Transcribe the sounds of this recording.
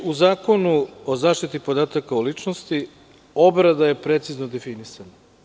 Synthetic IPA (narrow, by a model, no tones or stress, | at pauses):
uzaːko̞nuozaːʃt̪it̪ipo̞d̪aːt̪akaulit͡ʃnost̪i | o̞bɾad̪aje̞pɾe̞t̪siznod̪efinisana